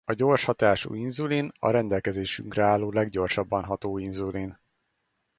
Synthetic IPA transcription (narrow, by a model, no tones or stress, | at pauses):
ɒɟo̞ːrʃhɒt̪aːʃṵinzulinɒ̰ɾɛnd̪ɛlkɛzeːʃyŋkrɛaːlːoːlɛɡɟo̞rʃɒbːɒnɦɒt̪oːinzulin